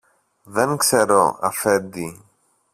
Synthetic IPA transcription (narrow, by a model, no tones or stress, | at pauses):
ðenkseɾoɐ̰fend̪i